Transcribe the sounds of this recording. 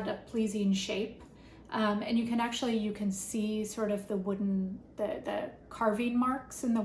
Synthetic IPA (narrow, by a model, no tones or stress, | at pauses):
ɾɨpʰl̥izɪ̃nʃeɪp | ʔʌ̃mɨ̃njɨkɨ̃næk̚t͡ʃʉul̩ˠijɨkʰɨ̃nsisɔɹɾʌvðəwʊdⁿn̩ðɨðɨ̰kʰɑɹvɪ̃ŋmɑɹksɨ̃nðə